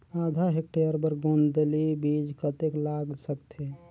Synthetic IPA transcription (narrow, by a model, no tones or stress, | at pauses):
ad̪ʱaɦek̚ʈejəɾbəɾɡond̪elibid͡ʒkət̪eklaɡsəkt̪ʰe